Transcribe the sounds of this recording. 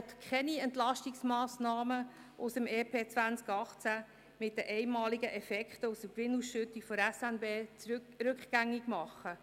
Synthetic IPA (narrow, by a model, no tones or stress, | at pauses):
ɛt̪kʰχɛniɛnt̪lɑʃtiksmɑːsnɑːmə | ʔʊsəmɛːpʰeːt͡sʋænt͡skɑχt͡sæ | mɪt̚dəʔɛɪmɑːliɡəʔɛfɛkχtəʊsəkʋɪnusʃʏt̪ːikfɔɾɛsɛnbeː | ɾʉkχɡ̥æŋːiɡ̥mɑχːə